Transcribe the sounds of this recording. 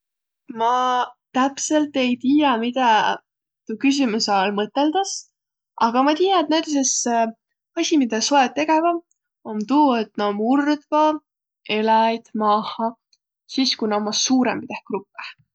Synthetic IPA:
mɑt̪æpse̞lt̪ːˑe̞jt̪iːjɑmid̪̥ɑ | t̪ukys̬ʲimusɑlmɤt̪ːˑe̞ld̪̥ɑs | ɑɡ̥ɑmɑt̪iːjɑet̪næjd̪ɑs̬ese | ɑsʲimid̪ɑsoed̚t̪ːe̞ɡevɑ | ont̪uːet̪nomurd̪vɑ | e̞lɑjd̪̥mɑːhɑ | siːskunomːɑsuːɾemit̪ehkrupːˑe

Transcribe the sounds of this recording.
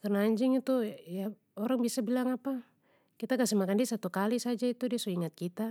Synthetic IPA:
karnaːɲd͡ʒiŋit̪uja | ɔɾaŋbiasabilaŋapa | kit̪akasɛmakandiasat̪ukalisad͡ʒait̪udiasɔiŋat̪̚kit̪a

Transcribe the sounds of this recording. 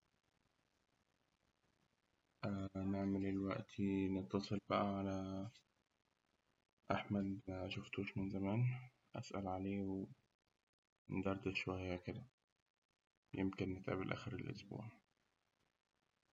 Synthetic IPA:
ʔanɪʕmɪlɪlwaʔt̪ʰinɨt̪ːɑsˤɨlbaʔaʕala | ʔaħmad̪ʃʊft̪uːʃmɪnzamaːn | ʔasʔa̰lʕaleːw | nd̪ɑɾˤd̪ɪʃʊwajːakɪd̪a | jɪmkɪnːɪt̪ʕa̰bɪlʔa̰xɪɾɪlʔʊ̰sbṵːʕ

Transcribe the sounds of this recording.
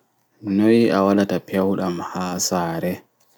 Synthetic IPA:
nojʔawalatapʰɛwɗamhaːsaːɾɛ

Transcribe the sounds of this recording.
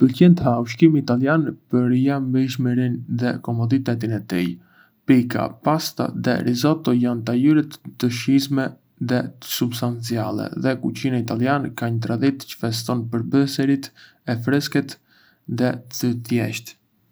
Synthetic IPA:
pəlcɛnt̪əhauʃkimiːt̪aljanpəɾjambɛʃ̬məɾinðɛkɔmɔd̪it̪ɛt̪̬inɛt̪ḭj | pika̰past̪a̰ðɛ̰ɾizɔt̪ɔjant̪ajyɾɛt̪ːəʃizmɛ | ðɛsubst̪ant͡sia̰lˠɛ̰ðɛkut͡ɕinait̪aliankaɲət̪ɾad̪it̪t͡ʃə̥fɛst̪ɔnpəɾbəsɛɾit̪ | ɛfɾɛskɛt̪ | ðɛt̪ət̪jɛ̰ʃt̪

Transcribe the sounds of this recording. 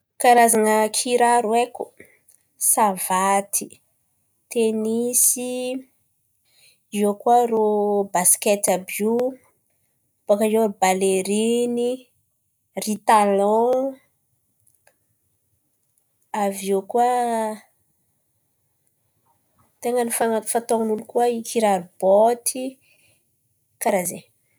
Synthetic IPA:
kaɾazanəkʰiɾaɾueku | savat̪i | t̪enisi | iokwaɾobasket̪abu | pokajobaleɾini | rit̪alɔ̃ | aviekua | t̪eŋənifaŋafat̪oŋanulukuəikiɾaɾub̥ot̪ʰi | kaɾaze

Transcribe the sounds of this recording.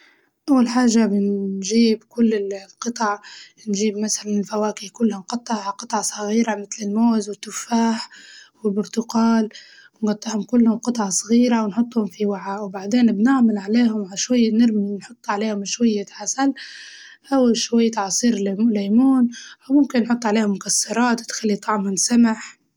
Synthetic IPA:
ʔawːalħaːʒːabɪnʒiːbkʊlːɪqɨt̪ˤɑʕ | nʒiːbmasalanɪlfæwaːkikʊlːhʊnqɑt̪ˤːɑʕʕaqɨt̪ˤʕɑsˤɑɣiːɾamɪt̪lɪlmoːzwɪt̪ːʊfaːħwɪlbʊɾt̪ʊqɑːl | wnɡɑt̪ˤːɪʕhʊmkʊlːhʊmqɨt̪ˤʕɑsˤɣiːɾawnħʊt̪ˤːhʊmfiwaʕawbaʕd̪eːnbnɪʕmalʕaleːɦʊmʕaʃwajːnɪɾmnħʊt̪ˤːʕaleːhʊmʃwajːaħasal | ʔawːʃwajːat̪ʕɑsˤiːɾlamuːnʔawmʊmkɪnːħʊt̪ˤːʕaleːhʊmːʊkasːɑɾˤɑːt̪t̪xalːit̪ˤɑʕmɪnsamaħ

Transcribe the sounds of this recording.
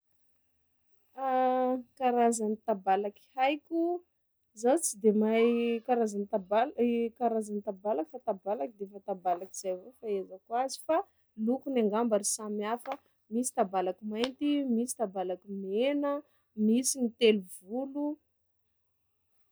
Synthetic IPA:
akaɾazanit̪abalaki̥hajkʲu | zawt͡sid̪emajkaɾazanit̪abalkaɾazanit̪abalakfat̪abalakid̪efat̪abalakiz̥ajvofaezakwazi̥fa | lukunaŋɡambaɾisamiafə | misi̥t̪abalakimajnt̪imisi̥t̪abalakimenə | misinit̪eluvulu

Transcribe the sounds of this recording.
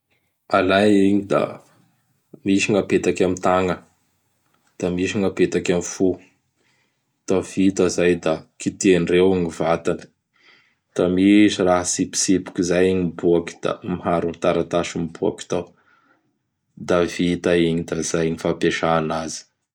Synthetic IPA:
alajiɲid̪a̰ | miʃiŋapet̪akʲamit̪aŋə | d̪̥amiʃiŋapet̪akʲamifu | t̪av̥it̪əzajd̪akit̪inrewaŋivat̪ani̥ | d̪̥amisiraɦasipi̥sipu̥kʲizajiɲimbuaki̥d̪̥a̰miɦaɾunit̪aɾat̪aʃimbua̰ki̥t̪aw | d̪avit̪aiɲid̪azajɲifapeʃaːnazi̥

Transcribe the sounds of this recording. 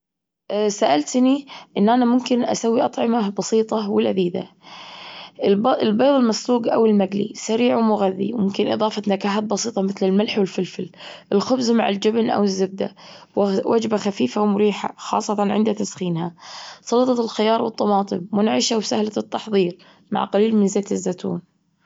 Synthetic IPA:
saʔalt̪niʔɪnːʔanamʊmkɪnʔa̰sawːiʔɑt̪ˤʕɪmabɑsiːt̪ˤɑwɪlʔad̪iːd̪a̰ | bɪlbɑːðˤɪlmasluːɡʔa̰wɪlmaɡlḭsaɾiːʕwmʊɣaðːḭmʊmkɪnʔɨ̰ðˤɑːfat̪nakaːħaːt̪̚bɑsiːt̪ˤɑmɪθlɪlmalħwɪlfɪlfɪlʔɪlxʊbzmaʕɪld͡ʒɪbnʔa̰wɪzːɪb̚d̪a̰wwʔa̰d͡ʒbaxafiːfawmʊɾiːħa̰xɑ̰ːsˤːɑt̪ɑnʕɪnd̪at̪asxiːnhasˤɑlɑt̪ˤɑt̪ɪlxɪjɑːɾˤwɨt̪ˤːɑmɑːt̪ˤɨmːʊnʕɪʃawsahlat̪ːɑħðˤiːɾ | ma̰ʕqaliːlmɪnzeːt̪ɪzːat̪ʰṵːn

